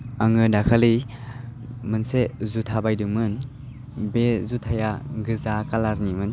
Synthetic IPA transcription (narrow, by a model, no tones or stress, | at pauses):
aŋɯdakʰali | mɯnsezutʰabajdɯmɯn | bezutʰajaɡɯzakalaɾnimɯn